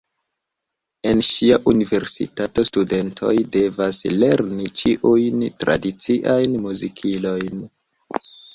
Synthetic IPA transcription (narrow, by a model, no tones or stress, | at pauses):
e̞nʃiaʔunive̞ɾsḭtato̞stude̞ntʰo̞̰jde̞vasle̞ɾnit͡ʃiʔujntɾa̰dit͡siʔajnmuzikʰilo̞jn